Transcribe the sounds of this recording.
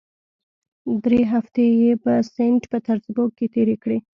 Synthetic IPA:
d̪ɾeɦaft̪ejebəseɳʈpət̪aɾzboket̪eɾekɽe

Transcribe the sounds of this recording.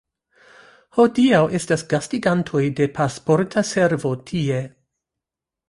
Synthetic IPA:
ho̞diawʔe̞stasɡ̥astiɡantʰo̞jde̞pʰaspo̞ɾtʰase̞ɾvo̞tʰie̞

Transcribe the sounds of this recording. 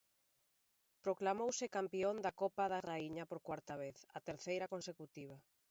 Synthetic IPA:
pɾoklamowsɪkampiond̪akɔpaðaraiɲɐpoɾkwaɾt̪ɐβeθɐ̰t̪eɾθejɾɐkonsekut̪iβ̞ɐ

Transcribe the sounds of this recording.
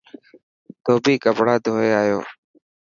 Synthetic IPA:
t̪oːbʱiːkəpɽaːd̪ʱoːeːaːjo̰ː

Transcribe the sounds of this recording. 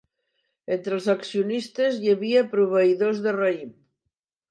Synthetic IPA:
ent̪ɾelˠsaksiunist̪ezʎeβiapɾuβ̞eiðozðereim

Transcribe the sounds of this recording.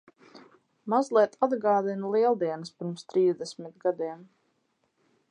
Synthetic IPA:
mazlˠiɛt̪ʰad̪ɡɑːd̪inlˠiɛlˠd̪iɛnəspiɾmst̪ɾiːzd̪ɛsmit̪ɡad̪iɛm

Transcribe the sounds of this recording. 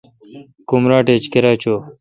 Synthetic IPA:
kumɾaːʈet͡ɕkeɾaːt͡ɕoː

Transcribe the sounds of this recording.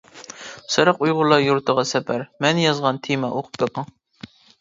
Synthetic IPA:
sɨɾɑqujʁʊlˠːɑjuɾt̪ʰəʁɑsɛpʰæɾmɛnjɑzʁɑnt̪ʰimɑʔoqʰʊ̥pbeqɑŋ

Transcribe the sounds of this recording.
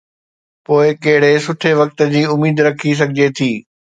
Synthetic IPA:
poːɪkɐɦɪɽesʊʈʰeʋɐk̚t̪ə̆d͡ʑiːʊmiːd̪ɾɐkʰis̬ɐɡʱɪd͡ʑet̪ʰiː

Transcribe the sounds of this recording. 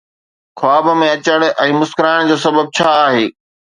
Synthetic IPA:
xʰʊaːbəmẽɐt͡ɕəɽ̃ʔɛ̃ːmʊskɾaːɪɽ̃d͡ʑoːsɐbəb̚t͡ɕʰaːɦeː

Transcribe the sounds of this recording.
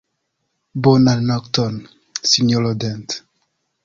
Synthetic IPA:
bɔnanɔktɔn | sinɔlɔdɛ̃nt

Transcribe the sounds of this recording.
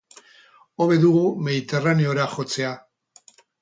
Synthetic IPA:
o̞βe̞ðuɣume̞ðit̪e̞raneo̞ɾaxo̞t͡se̞a

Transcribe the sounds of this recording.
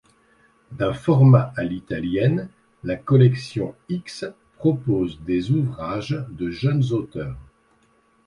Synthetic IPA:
d̪ɛ̃fɔʁmaalit̪aljɛn | lakɔlɛksjɔ̃ikspχɔpozd̪ezuvʁaʒd̪əʒənzot̪œːʁ

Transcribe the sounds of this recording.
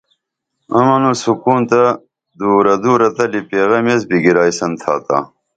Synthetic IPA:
ɐmɐnusukuːnt̪ɐ | d̪uːɾɐd̪uːɾɐt̪ɐlipeːɣɐmesbiɡiɾaːisɐnt̪ʰa̰ːt̪a̰ː

